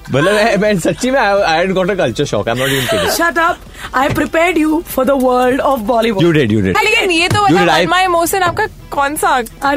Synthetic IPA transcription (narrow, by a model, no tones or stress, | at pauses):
bələmɛ̃mɛ̃nsɐtːt͡ʃimẽaaɪɛɖɡɔʈəkɐlt͡ʃəɾʃɔ̰kãɪmnɔʈjuĩŋt̪iʃɐʈəp̚ | aɪpɾɪpɛːɾɖjufɔɾd̪əʋəɾlɖɔfbɔliʋujuɖɪɖjṵɖɪ̰ɖalekɪnjet̪oʋəjuɪajmajemoːʃə̃naːp̚ka | kɔ̃ːnsaa